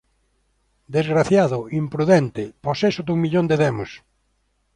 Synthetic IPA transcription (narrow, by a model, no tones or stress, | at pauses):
d̪ezɣɾaθjaðʊimpɾuðɛnt̪ɪposesʊd̪uŋmiʎõnd̪eðɛmʊs